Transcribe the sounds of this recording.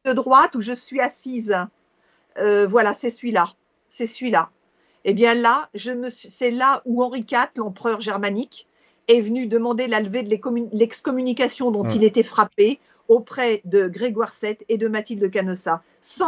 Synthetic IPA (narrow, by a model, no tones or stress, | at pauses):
əd̪ʁwat̪uʒəsɥiasiz | øvwalasɛsɥila | sɛsɥila | ebjɛ̃laʒəməssɛlauɑ̃ʁikat̪lɑ̃pχœʁʒɛʁmanik | ɛvənyd̪əmɑ̃d̪elalved̪lekɔmylɛkskɔmynikasjɔ̃d̪ɔ̃t̪ilet̪ɛfχape | opχɛd̪əɡʁeɡwaʁsɛt̪ed̪əmat̪ild̪əkanɔsa | sɑ̃